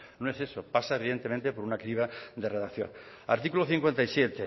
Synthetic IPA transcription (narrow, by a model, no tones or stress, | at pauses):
noesesopasaeβiðe̞nt̪e̞mẽnt̪epoɾunakɾiβad̪ereðakθjo̰ŋ | a̰ɾt̪ikuloθiŋkwe̞nt̪aijsjet̪e